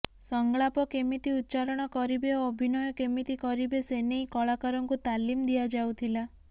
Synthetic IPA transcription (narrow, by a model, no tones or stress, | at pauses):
sɔŋɡɭapɔkemit̪iut̪ːt͡ʃaɾɔɽ̃ɔkɔɾibeɔbʱinɔjɔkemit̪ikɔɾibesenejkɔɭakaɾɔŋkut̪alimd̪iad͡ʒawt̪ʰila